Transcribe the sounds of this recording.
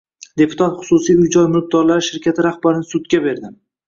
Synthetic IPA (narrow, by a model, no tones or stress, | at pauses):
d̪e̞pʰʊ̥t̪ʰat̪χʊ̥sʊsijʊjd͡ʒɒjmʊɾq̚d̪ɒɾlaɾɪʃɪɾkʲʰat̪ʰɪɾahbaɾɪnɪsʊd̪ɡʲabe̞ɾd̪ɪ